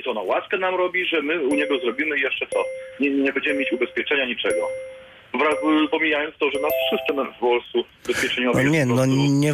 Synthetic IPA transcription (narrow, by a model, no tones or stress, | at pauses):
t̪ɔɔnawaskɛnamɾɔbʲiʐɛmɘuɲɛɡɔzɾɔbʲimɘjɛʂt͡ʂɛt̪sɔɲɛɲɛbɛɲd͡ʑɛmɘmjet͡ɕubɛspʲjɛt͡ʂɛɲaɲit͡ʂɛɡɔ | vɾapɔmʲijajɔnt̪st̪ɔʐɛnasfʂɨst̪ɛmvɔlst̪u | bɛspʲjɛt͡ʂɛɲɔvɔɲɛnɔɲɛ